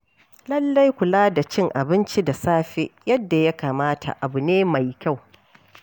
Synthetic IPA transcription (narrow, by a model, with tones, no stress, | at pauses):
lɐ˦lːa˦jkʷʊ˨laː˦da˨t͡ʃɪ˦ŋʔa˨bɪ˦nt͡ʃi˦da˨saː˦ɸe˦jɐ˦dːa˨ja˦kaː˨maː˦tʰa̰˨ʔa˨bu˨neː˦ma˨jkʲa˦˨w